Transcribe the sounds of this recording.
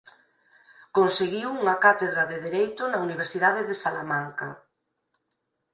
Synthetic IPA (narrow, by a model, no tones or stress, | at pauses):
konseɣiwuŋakat̪eðɾaðeðeɾejt̪ʊnauniβ̞eɾsiðað̞eðesalamaŋka̰